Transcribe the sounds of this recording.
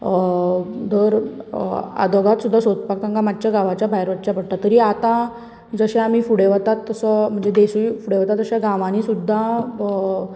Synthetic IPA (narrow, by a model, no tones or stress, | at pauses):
d̪ʱəɾ | a̰d̪oɡat̪sud̪ʱːasot̪pak̚t̪ãŋkamadt͡ɕjaɡaʋat͡ɕjabʱajɾʋət̪t͡ɕapəɽ̚ʈ̪at̪ːəɾiːat̪ã | d͡zəɕaam̤iːfuɽeʋat̪at̪ːəsɔm̤əɳd͡zed̪esujfuɽeʋat̪at̪ːəɕaɡãʋanisud̪ʱːa